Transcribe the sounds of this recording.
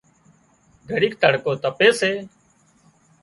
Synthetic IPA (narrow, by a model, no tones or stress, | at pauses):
ɡʱəɽiːk̚t̪əɽkoːt̪əpeːseː